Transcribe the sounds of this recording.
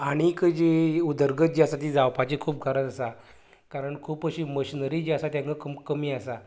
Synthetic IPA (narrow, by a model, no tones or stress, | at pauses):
aɽ̃ikəd͡ʑeud̪əɾɡət̪̚d͡ʑiasat̪id͡zawpat͡ɕikʰuːp̚kʰaɾət̪asa | kaɾəɳkʰuːpəɕiməɕinəɾid͡ʑiasat̪jãŋkəkəmkəmiːasa